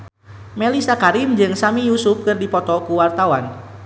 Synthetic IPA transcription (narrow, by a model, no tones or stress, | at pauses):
mɛlisakaɾind͡ʒɨŋsamijusup̚kɨrdipɔt̪ɔkuwart̪awan